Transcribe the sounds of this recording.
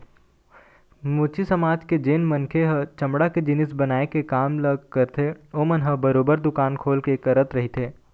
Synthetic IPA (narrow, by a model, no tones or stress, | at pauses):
mʊːt͡ʃisɐmaːd͡ʒked͡ʒeːnmɐ̃nkʰeɦət͡ʃɐ̃mɽaked͡ʒɪnɪs̬bɐnaːekekaːmləɡkɐɾt̪ʰeoːmənɦəbɐɾoːbəɾd̪ʊkaːnkʰoːlkekɐɾət̪ɾɐɦit̪ʰeː